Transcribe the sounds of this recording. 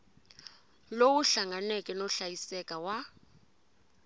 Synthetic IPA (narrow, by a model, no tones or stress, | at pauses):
lowuɬaŋanɛkʼɛnɔɬajisɛkʼawa